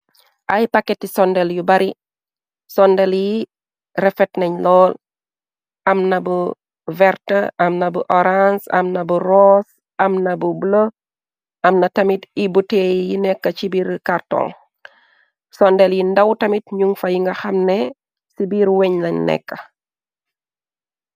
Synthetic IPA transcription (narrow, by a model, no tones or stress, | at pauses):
ʔɐjpɐkːɛtːisɔndɛljubɐɾi | sɔndɛlji | rɛfɛtnɐɲlɔːl | ɐmnɐbu | vɛrtɐʔɐmnɐbuʔɔɾansɐ̰mnɐburɔs | ɐmnɐbublo | ʔɐmnɐtɐmitibutejjinɛkːɐt͡ʃibiɾkartɔ̰ːŋ | sɔndɛljindɐwtɐmit̚ɲuŋfɐjiŋɡɐxɐmnɛ | sibiːɾwɛɲlɐɲnɛ̰kːɐ